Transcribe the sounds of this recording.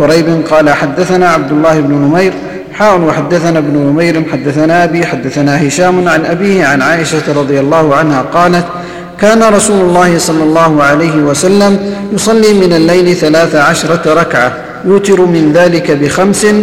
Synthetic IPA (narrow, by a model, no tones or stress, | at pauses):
ʊɾajbɪnqɑːlaħad̪ːaθanaːʕab̚d̪ʊlːaːhɪbnʊnʊmajɾ | ħaːʔʊnwaħad̪ːaθanabnʊnʊmajɾɪnħad̪ːaθanaːʔabiːħad̪ːaθanaːɦɪʃaːmʊnʕanʔabiːhɪʕanʕaːʔɪʃaɾˤɑd̪ˤɨjalˤːɑːhʊʕanhaːqɑːlat̪ | kaːnaɾˤɑsuːlʊlˤːɑːhɪsˤɑlːɑlˤːɑːhʊʕalajɦɪwasalːamjʊsˤɑlːiːmɪnalːajlɪθalaːθaʕaʃɾˤɑɾˤɑkʕa | jʊːt̪ɪɾmɪnðaːlɪkabɪxamsɪ